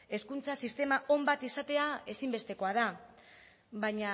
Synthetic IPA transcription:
e̞skunt͡sasist̪e̞maʔo̞mbat̪isat̪e̞ae̞simbe̞st̪e̞ko̞aða | βaɲa

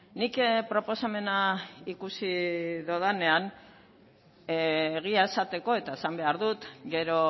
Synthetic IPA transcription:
nikpɾo̞po̞same̞naikusiðoðanean | ɣ̞iae̞sat̪e̞ko̞e̞t̪aesambe̞aɾðut̪ɡe̞ɾo̞

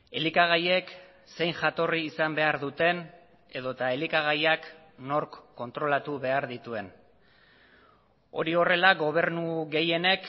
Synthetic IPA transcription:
e̞likaɣ̞aje̞k | se̞jŋʝat̪o̞riːsambe̞aɾðut̪e̞n | e̞ðo̞t̪ae̞likaɣajak | no̞ɾkːo̞nt̪ɾo̞lat̪uβe̞aɾðit̪ue̞n | o̞̰ɾio̞re̞laɡo̞β̞e̞ɾnuɣe̞je̞ne̞k

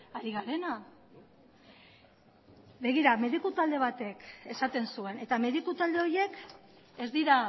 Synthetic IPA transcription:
aɾiɣaɾe̞na | βe̞ɣ̞iɾame̞ðikut̪ald̪e̞β̞at̪e̞ke̞sat̪e̞nsue̞ne̞t̪ame̞ðikut̪ald̪e̞o̞je̞k | e̞zd̪iɾa

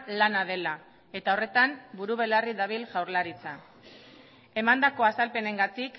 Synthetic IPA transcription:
lanaðe̞la | e̞t̪ao̞re̞t̪ambuɾuβ̞e̞lariðaβ̞ilʝawɾlaɾit͡sa | e̞mand̪ako̞asalpe̞ne̞ŋɡat̪ik

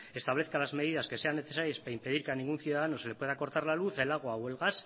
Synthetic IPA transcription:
e̞st̪aβleθkalazme̞ðiðaske̞se̞anːe̞θe̞saɾjespaimpe̞ðiɾkanĩŋɡunθjuðaðanosele̞pwe̞ð̞ako̞ɾt̪aɾlaluθe̞laɣ̞oawelɣas

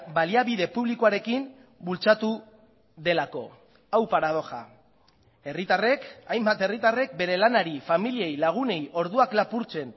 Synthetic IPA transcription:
baliaβiðe̞puβlikoaɾe̞kim | bult͡sat̪u | ðe̞lako̞ | awpaɾað̞o̞xa̰ | e̞rit̪are̞kajmbat̪e̞rit̪are̞k̚be̞ɾe̞lanaɾifamilie̞jlaɣ̞une̞jʔo̞ɾðuaklapuɾt͡se̞n

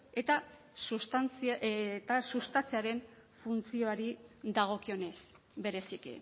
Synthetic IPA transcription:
e̞t̪a | sust̪ant͡sit̪asust̪at͡siaɾe̞ɱ | funt͡sio̞aɾid̪aɣ̞o̞kio̞ne̞s | be̞ɾe̞sikḭ

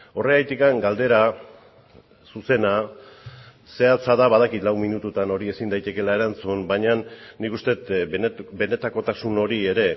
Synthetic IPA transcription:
o̞re̞ajt̪ikaŋɡald̪e̞ɾa | suse̞na | se̞at͡saðaβað̞akit̪lawminut̪ut̪ano̞ɾie̞sind̪ajt̪e̞ke̞lae̞ɾant͡sunbaɲanːikust̪e̞t̪be̞ne̞t̪ako̞t̪asuno̞ɾie̞ɾe̞

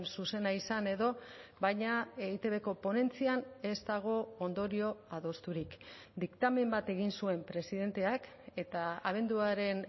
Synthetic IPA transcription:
nsuse̞naisane̞ðo̞βajɲaeit̪e̞βe̞ko̞po̞ne̞nt͡siane̞zt̪aɣ̞o̞ond̪o̞ɾio̞aðo̞st̪uɾik | d̪ikt̪ame̞mbat̪e̞ɣ̞insue̞mpɾe̞siðe̞nt̪e̞ak | e̞t̪aaβ̞e̞nd̪uaɾe̞n

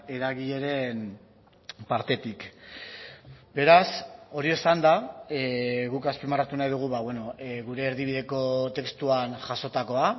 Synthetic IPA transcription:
e̞ɾaɣiʎeɾe̞n | paɾt̪e̞t̪ik | be̞ɾaso̞ɾiesand̪a | ɣukaspimarat̪unajð̞uɣ̞uβaweno̞ɣuɾe̞ːɾðiβ̞iðe̞ko̞t̪e̞kst̪uanʝaso̞t̪ako̞a

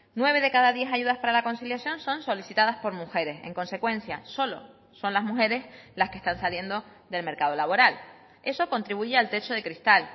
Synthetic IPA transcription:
nwe̞β̞e̞ðe̞kaðaðje̞saʝuðahpaɾalako̞nsiljasjo̞nso̞nso̞lisit̪aðaspo̞ɾmuxe̞ɾe̞se̞̰ŋko̞nse̞kwẽ̞n̟θjaso̞lo̞̰ | so̞nlaɦmuxe̞ɾe̞slahke̞̥st̪ansalje̞nd̪o̞ | d̪e̞lme̞ɾkað̞o̞laβo̞ɾal | e̞so̞ko̞nt̪ɾiβuʝealt̪e̞t͡ʃoð̞e̞kɾist̪al

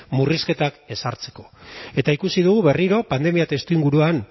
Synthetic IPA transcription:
muriske̞t̪ake̞saɾt͡se̞̥ko̞̥e̞t̪aikusið̞uɣ̞uβe̞riɾo̞pand̪e̞miat̪e̞st̪uiŋɡuɾuan

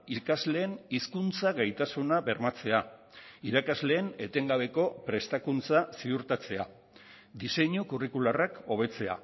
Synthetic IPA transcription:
ikazle̞ːniskunt͡saɣajt̪asunaβe̞ɾmat͡se̞aiɾakazle̞ːne̞t̪e̞ŋɡaβ̞e̞ko̞pɾe̞st̪akunt͡sasiuɾt̪at͡se̞a | d̪ise̞ɲukurikularako̞β̞e̞t͡se̞a̰

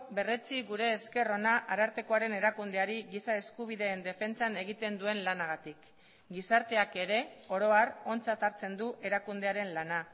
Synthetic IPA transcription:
be̞re̞t͡siɣuɾe̞ːske̞ro̞naʔaɾaɾt̪e̞ko̞aɾe̞ne̞ɾakund̪e̞aɾiɣisae̞skuβ̞iðe̞ːnd̪e̞fe̞nt͡sane̞ɣ̞it̪e̞nd̪ue̞nlanaɣat̪ik | ɡisaɾt̪e̞ake̞ɾe̞o̞ɾo̞aro̞nt͡sat̪aɾt͡se̞nd̪uʔe̞ɾakund̪e̞aɾe̞nlana

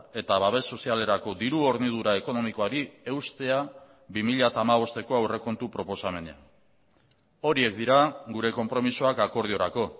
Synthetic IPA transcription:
e̞t̪aβaβe̞sːo̞siale̞ɾako̞d̪iɾuo̞ɾnið̞uɾae̞ko̞no̞miko̞aɾie̞wst̪e̞a | bimiʎat̪aːmaβ̞o̞st̪e̞ko̞awre̞ko̞nt̪upɾo̞po̞same̞nea̰ | o̞ɾie̞k̚d̪iɾaɡuɾe̞ko̞mpɾo̞misoakako̞ɾð̞io̞ɾako̞

